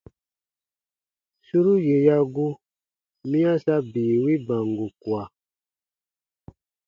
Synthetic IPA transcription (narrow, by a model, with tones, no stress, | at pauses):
su˦ɾu˦je˨ja˦ɡu˦ | mĩ˦ã˦sa˦biː˨wi˦bã˨ŋɡu˨kwa˨